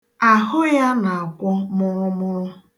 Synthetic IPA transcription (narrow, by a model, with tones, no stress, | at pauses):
a˨ɦʊ˦ja˦na˨a˨kʷʊ˦mʊ˦mʊ˦ɾʊ˦